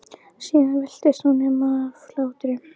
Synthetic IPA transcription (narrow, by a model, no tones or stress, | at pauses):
siːnavɛl̥t̪ɪsɔnɪmaflaːwt̪ɾɪ